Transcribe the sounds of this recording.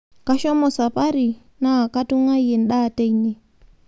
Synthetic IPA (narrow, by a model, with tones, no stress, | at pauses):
ka˦ʃɔ˦mɔ˨sa˨pa˦ɾi˨ | na˦˨ka˦tu˦ŋa˦i˦ɛ˨n̩˦ɗa˦˨ta˦i˨ni˦